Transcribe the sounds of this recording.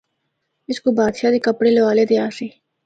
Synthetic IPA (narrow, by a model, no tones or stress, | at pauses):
ɪskobaːd̪ʃaːd̪iːkəpɽeːləʋaːleːd̪eaːsiː